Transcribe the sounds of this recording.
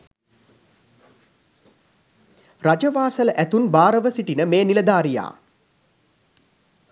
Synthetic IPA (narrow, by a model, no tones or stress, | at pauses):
rad͡ʒəʋaːsələʔæt̪unbaːɾəʋəsiʈinəmeːniləd̪aːɾija̰ː